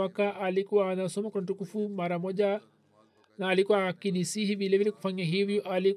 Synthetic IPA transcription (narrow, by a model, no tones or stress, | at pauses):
akaʔalikuwaːnasɔmakwuamtukufumaɾamɔʄa | naːlikuwakinisihivilɛvilɛku̥faɲaɦivjɔʔali